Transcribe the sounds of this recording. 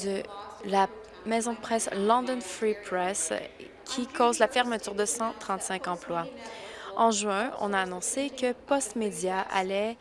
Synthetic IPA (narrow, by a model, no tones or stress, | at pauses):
d̪əla | mɛzɔ̃d̪əpχɛslɑ̃d̪ɔnfipχɛs | kʲʰikʰoːzlafɛʁmət̪yʁd̪əsɑ̃t̪χɑ̃t̪sɛ̃kɑ̃plwa | ɑ̃ʒɥɛ̃ɔ̰̃naːnɔ̃sekəpɔst̪med̪jaa̰lɛ